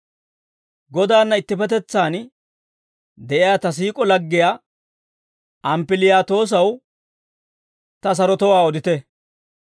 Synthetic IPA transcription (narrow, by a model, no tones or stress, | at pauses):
ɡɔd̪aːnːɐɪt̪ːɪpɛt̪ɛt͡sːaːn | d̪ɛʔɪjaːt̪ɐs̬iːkʼɔlɐɡːɪjaː | tʔɐmpɪlɪjaːt̪o̞ːs̬ɐw | t̪ɐs̬ɐɾɔt̪ɔwaːɔd̪ɪt̪ɛ